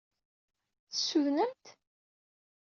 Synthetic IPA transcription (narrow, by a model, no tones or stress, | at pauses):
θəsːuðnənt̪